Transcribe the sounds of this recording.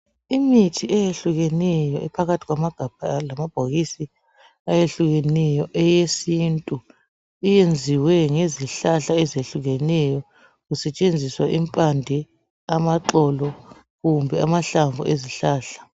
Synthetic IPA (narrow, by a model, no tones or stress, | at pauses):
imitʰiʔɛjeɬuɣɛnɛjɔʔɛpʰaɣatʰiɣwamaɡ̥ʱab̥̚ʱalamab̥ʱoɣisi | ajeɬuɣɛnɛjɔʔɛjesintʼu | ijend͡zʱiwɛŋeziɬaɬaɛzeɬuɣɛnɛjɔ | ɣusɛt͡ʃʼend͡zʱiswaʔimpʼandʱɛ | amaǃɔlɔ | ɣumbʱɛamaɬaɱvuʔeziɬaːɬḁ